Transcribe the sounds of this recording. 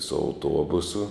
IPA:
sʊ ɐʊˈtuɔbʊsʊ

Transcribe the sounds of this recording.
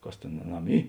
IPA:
ˈkɐs ˈtʲeːn ɐˈnɐm ˈiː

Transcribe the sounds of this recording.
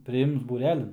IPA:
pʲrʲɪˈɪms buːˈrʲæːlʲɪn

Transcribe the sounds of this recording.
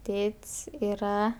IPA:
ˈtʲeːtʲsʲ iːˈrɐ

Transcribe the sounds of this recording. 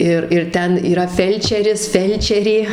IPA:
ˈɪr ɪr ˈtʲɛn iːˈrɐ ˈfʲɛlʲt͡ʃʲɛrʲɪs ˈfʲɛlʲt͡ʃʲɛrʲeː

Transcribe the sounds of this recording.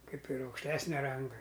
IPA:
ˈkɐɪp ɪr ɐʊkʃʲˈtʲæːsʲnʲɛ ˈrɐŋɡɐ

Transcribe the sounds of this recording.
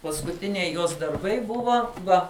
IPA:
pɐskʊˈtʲɪnʲɛɪ ˈjoːs dɐrˈbɐɪ ˈbʊʋɐ ˈʋɐ

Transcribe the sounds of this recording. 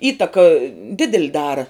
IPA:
ˈiːtɐkɐ ˈdʲɪdʲɛlʲ ˈdɑːrɐ

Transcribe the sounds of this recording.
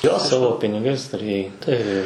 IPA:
ˈjoː ˈsɑːʋoː pʲɪnʲɪˈɡɐɪs tʊˈrʲeːjɛɪ tɐɪ

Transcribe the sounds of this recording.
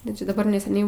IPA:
ˈdɐ t͡ʃʲɛ dɐˈbɐr nʲɛsʲɛˈnʲɛɪ

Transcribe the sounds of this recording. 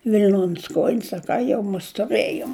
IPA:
ʋʲɪlʲˈnoːnʲs ˈkoːjɪnʲs ɐ ˈkɑː jɛʊ mʊs tʊˈrɘjoːm

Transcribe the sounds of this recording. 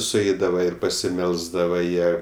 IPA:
sʊˈɛɪdɐʋɐ ɪr pɐsʲɪˈmʲɛlˠzdɐʋɐ ˈjiɛ

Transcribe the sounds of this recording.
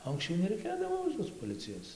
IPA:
oː ɐŋksʲˈt͡ʃʲɛʊ nʲɛrʲɛɪˈkʲeːdɐʋoː toːs poːˈlʲɪt͡sʲɪjoːs

